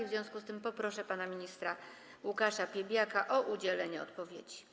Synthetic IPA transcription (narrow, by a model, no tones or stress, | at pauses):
ivzʲjɔ̃w̃skust̪ɘmpɔpɾɔʂɛpanamʲiɲist̪ɾa | wukaʂapʲjɛbʲjakaʔɔʔud͡ʑɛlɛɲɛɔ̰t̪pɔvʲjḛd͡ʑi̥